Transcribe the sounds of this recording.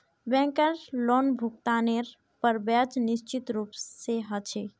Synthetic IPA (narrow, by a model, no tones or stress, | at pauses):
bɛ̃ːŋkəɾloːnbʱʊkt̪aːneːɾ | pəɾbaːt͡ʃnɪʃt͡ʃɪt̪ɾuːpseɦət͡ʃʰeː